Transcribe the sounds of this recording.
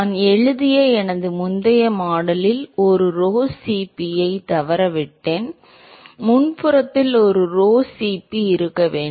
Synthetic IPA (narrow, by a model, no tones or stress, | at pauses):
nɛɻɯðɪjɐɛnɐðɯmʊnd̪ɐjɐmaːɽɐlɪlɔɾɯɾoːsiːpːɪjɐɪt̪ɐʋɐɾɐʋɪʈːeːn | mʊnpɯɾɐt̪ːɪlɔɾɯɾoːsiːpːiɪɾɯkːɐʋeːɳ